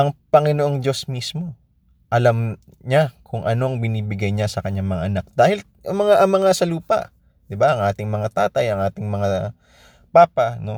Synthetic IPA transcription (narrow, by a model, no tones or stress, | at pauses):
ʔɐŋpɐŋɪnoʔoŋd͡ʒo̞smismo̞ | ʔɐlam | ɲakʰʊŋʔɐno̞ʔɐŋbɪniːbɪɡajɲasɐkɐɲːaŋmɐŋaʔɐnak̚d̪̥aːhɪl | ɐmɐŋaʔɐŋmɐŋasɐluːpɐ̰ʔ | d̪̥ɪbaʔɐŋʔaːt̪ɪŋmɐŋat̪aːt̪ɐjɐŋʔaːt̪ɪŋmɐŋa | paːpɐno̞